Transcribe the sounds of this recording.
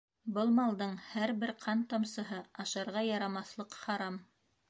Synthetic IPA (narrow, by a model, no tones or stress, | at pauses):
bɤlˠmɑlˠd̪ɤɴhæɾbɘɾqʰɑnt̪ɑmsɤ̆ɦɤɑʃɑɾʁɑjɑɾɑmɑθlˠɤqχɑɾɑm